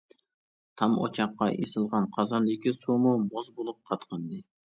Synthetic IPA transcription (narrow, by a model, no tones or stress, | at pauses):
t̪ʰɑmo̰t͡ʃʰɑqːɑʔesɨlˠʁɑnqʰɑzɑnɪkʲisumumozbolˠup̚qʰɑt̪qʰɑnd̪ɨ